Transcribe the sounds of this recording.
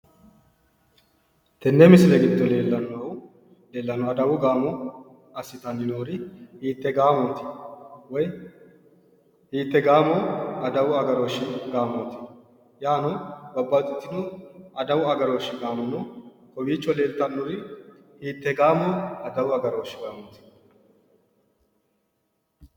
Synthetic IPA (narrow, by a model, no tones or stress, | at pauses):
t̪ɛnːɛmɪsɪlɛɡɪd̪ːɔleːlːɐnːow | leːlːɐnɔɐd̪ɐwʊɡaːmɔ | ɐsːɪt̪ɐnːɪnoːɾɪhiːt̪ːɛɡaːmɔːt̪ɪ̥wɔj | hiːt̪ːɛɡaːmɔɐd̪ɐwʊɐɡɐɾoːʃɪnɡaːmɔt̪ɪ | jaːnɔbɐbːat̪ʼʊt̪ːɪnoɐd̪ɐwʊɐɡɐɾoːʃːɪɡaːmɐnɔ | kʼɔbiːt͡ʃːɔleːlt̪ɐnːʊɾɪ | hiːt̪ːɛɡaːmoɐd̪ɐwʊɐɡɐɾoːʃɪɡaːmɔnt̪ɪ̥